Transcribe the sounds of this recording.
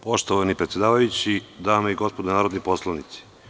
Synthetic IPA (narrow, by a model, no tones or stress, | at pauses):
poʃt̪oʋanipɾet̪sʲjed̪aːʋajut͡ɕid̪aːmaiɡo̞spod̪onaːɾod̪niposlˠaʋnit̪si̥